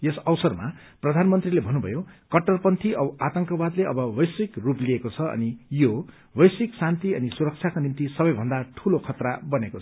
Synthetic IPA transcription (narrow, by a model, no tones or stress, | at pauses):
jesʌwsʌrma̰ | prʌd̪ʱanmʌnt̪rilebʱʌnːubʱʌ̰jokʌʈːʌrpʌnt̪ʰiʔʌbat̪ʌŋkʌbad̪leʔʌbʌbʌjsikrupliekot͡sʰʌʌ̰nijo | bʌjsiksant̪iʌnisuɾʌk̚t͡sʰjakonint̪isʌbʌjbʱʌnd̪aʈʰulokʰʌt̪rabʌnekot͡sʰʌ